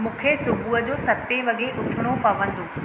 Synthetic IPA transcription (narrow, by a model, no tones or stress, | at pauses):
mũːkʰesʊbʱuːəd͡ʑoːsɐt̪ːeʋɐɠeʔʊʈʰɪɽ̃opɐʋə̃nd̪oː